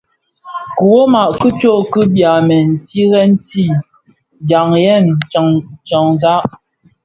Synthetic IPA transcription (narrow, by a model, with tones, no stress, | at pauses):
ku˨wo˦ma˨ʔkɨ˦t͡ʃo˦˨kɨ˦bja˨mɛ˨n̩˨ti˦ɣɛ˦n̩˦ti˦˨ | da˨ŋjɛ˦˨n˨ŋt͡ʃɔ˨ŋza˦ʔ